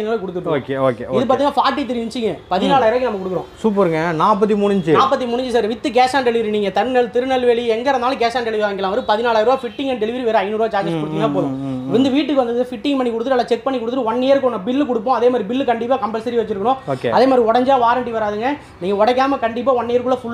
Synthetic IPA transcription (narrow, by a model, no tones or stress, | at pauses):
ɪnaːɭːkʊɽɯt̪ːɯʈːkeoːkeɪðɯpaːɾiŋɐfaːɾʈːit̪ɪɾʋɪɲt͡ʃːɪŋɡɐpɐðɪnaːlaːjɾoːkːɪnɐmːɐkʊɽɯkːɯɾõːsuːp̬ɐɾɯŋɡɐnaːpːɐt̪̬ːimuːnːɪɲd͡ʒɯnaːpːɐt̪̬ːimuːnːɪɲd͡ʒɯsaɾʋɪt̪ːɯɡeːsaːnɖɛɭɪʋɐɾiniːŋɡɐt̪ɐɾnɐlt̪ɪɾɯnɐlʋeːɭiɛŋɡɐɾɐnaːlɡeːsaːnɖɛɭɪʋɾːɐŋɡɪlãːʋɐɾɯpɐðɪnaːlaːjɪɾoːfɪʈːɪŋɡɐnɖɛɭɪʋɐɾiʋeːɾɐɐɪnuːɾoːd͡ʒaːd͡ʒɐspɔɽt̪ɪŋnaːpoːðʊ̃ʋɪnd̪ɯʋiːʈ̬ːɯkːɯʋɐnd̪ɐðɯfɪʈːɪ̃ŋpɐɳːikʊɽɯt̪ːɯʈːɯɐlːɐt͡ʃɛk̚pɐɳːikʊɽɯt̪ːʈːɯɔɳːejɐɾkɔnːɐbɪlːkɔɽɯpːõːɐðeːmad̪ɾibɪlːkɐɳɖɪpːaːkɐmbɛlsɐɾiʋɐt͡ʃːɪɾɯkːɐɳʊ̃oːkeɐðeːmaːd̪ɾiɔɽɐɲd͡ʒaːʋaːɾɐɳʈiʋɐɾaːðɯŋɡɐ | niːŋɡɐɔɽɐk̬ːaːmɐkɐɳɖɪp̬ːaːɔɳːejɐɾkːʊɭːɐfʊɭː